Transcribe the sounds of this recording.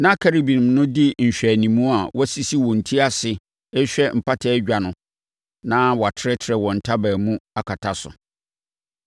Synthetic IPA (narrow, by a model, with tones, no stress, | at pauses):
nã˦kʰa˦ɾi˦bĩ˨nɪ̃˨mnʊ̃˦di˦ɲ̩˨ɕᶣæ˨nĩ˨mũ˦a˨wɔ˦si˦si˦wɔ̃˨n̩˨tʰi˦a˦sɪ˨ | ɛ˦ɕᶣɛ˦m̩˨pʰa˦tʰɛː˦ɟᶣa˨nʊ̃˨ | nã˦wɔ˨a˨tʰɪ˦ɾɛ˦tʰɪ˨ɾɛ˨wɔ̃˨n̩˨tʰa˦bæː˨mũ˦a˨kʰa˨tʰa˨sʊ̰˨